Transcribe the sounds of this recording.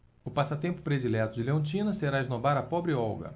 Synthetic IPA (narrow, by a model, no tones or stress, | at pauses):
ʊpasɐt̪ẽmpʊ̥pɾed͡ʒilɛt̪ʊd͡ʒɪleõt͡ʃĩnɐseɾaeznobaɾɐpɔbɾɪɔwɡɐ̰